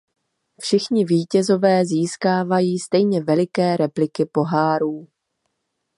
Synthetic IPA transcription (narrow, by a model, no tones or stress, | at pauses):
fʃɪxɲɪviːcɛzo̞vɛːziːskaːvajiːst̪ɛjɲɛvɛlɪkɛːɾɛplɪkɪpo̞ɦaːɾuː